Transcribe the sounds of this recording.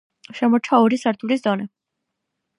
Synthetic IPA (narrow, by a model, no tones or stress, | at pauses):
ʃɛmɔɾt͡ʃʰauɾisaɾt̪ʰulisd̪ɔnɛ